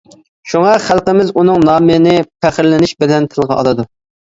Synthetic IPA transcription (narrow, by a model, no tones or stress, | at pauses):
ʃuŋɑχælˠqəmɪzunɨŋnɑːmɨnɪpʰæχɾlɪnɪʃbɪlɛnt̪ʰɪlˠʁɑʔɑ̰lˠɨd̪u